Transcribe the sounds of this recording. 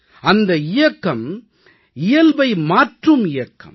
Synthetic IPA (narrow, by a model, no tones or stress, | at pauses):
ɐnd̪ɐɪjɐkːɐm | ɪjɐlbɐɪmaːʈrɯmɪjɐkːɐ̰m